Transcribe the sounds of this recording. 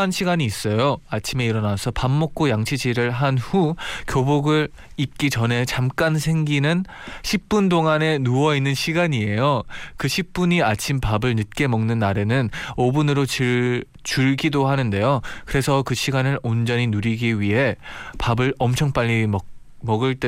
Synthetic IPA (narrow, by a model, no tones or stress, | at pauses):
nɕʰiɡaɲiːs͈ʌjoat͡ɕʰime̞iɾʌnasʰʌpamːok̚k͈ojaŋt͡ɕʰid͡ʑiɾɯɭɦanhukjoboɡɯɾ | ip̚k͈it͡ɕʌne̞t͡ɕamk͈ansʰe̞ŋɡinɯn | ɕʰip̚p͈undoŋane̞nuwʌinːɯnɕʰiɡaɲie̞jokɯɕʰip̚p͈uɲiat͡ɕʰimpabɯɭnɯt̚k͈e̞mʌŋnɯnːaɾe̞nɯnobunɯɾot͡ɕɯ | t͡ɕuɭɡidohanɯnde̞jokɯɾe̞sʰʌkɯɕʰiɡanɯɾond͡ʑʌɲinuɾiɡiɥiɦe̞pabɯɾʌmt͡ɕʰʌŋp͈aʎːim | mʌɡɯɭt͈e